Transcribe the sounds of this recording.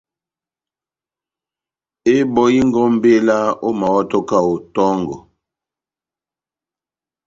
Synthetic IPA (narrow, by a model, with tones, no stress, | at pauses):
e˦bɔ˦ji˦ŋ˦ɡɔ˦m̩˦be˦la˦o˦ma˨wɔ˦tɔ˦ka˦˨o˨tɔ˦ŋɡɔ˨